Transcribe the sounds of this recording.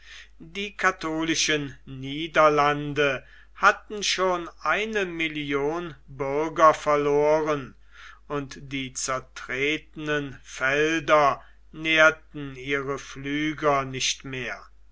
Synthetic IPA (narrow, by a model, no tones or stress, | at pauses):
diːkʰatoːlɪʃənniːdɐlandə | hatn̩ʃoːnʔaɪnəmɪljoːnbʏʁɡɐfɛɐloːʁən | ʊntd̥iːt͡sɛɐtʁ̥eːtənənfɛldɐ | neːɐtn̩iːʁəflyːɡɐnɪʃtmeːɐ